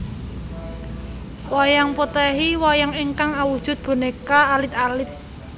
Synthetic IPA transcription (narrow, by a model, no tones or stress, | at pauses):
wajaŋpot̪ɛɦiwajaŋeŋkaŋawud̥ʒ̥ʊ̤t̪̚b̥o̤nekaːlɪt̪alɪt̪̚